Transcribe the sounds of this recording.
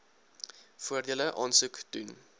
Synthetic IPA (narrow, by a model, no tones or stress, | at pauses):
fuərdiələʔɑːnsuktun